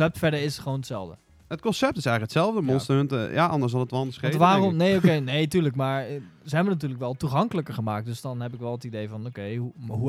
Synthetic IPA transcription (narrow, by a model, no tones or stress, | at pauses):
ɛp̚tfɛɹdəɹɪsχəʋonətsɛlˠvdə | ət̚kɔnsɛp̚tɪsɛjəkətsɛlˠvdəmɔnstəøntjaʔɑndəɹsdɔ̃nətʋɑndəsχeʋaːrɔmnejokejneːtyːɹləkmaːɹzəɦɛbənat̬yːɹləkʋɛlˠtuχɑŋkələkəɹχəmaːk̚t̚døsdɑnɦɛpɪkʋɛlˠətidejvɑnokejuɦu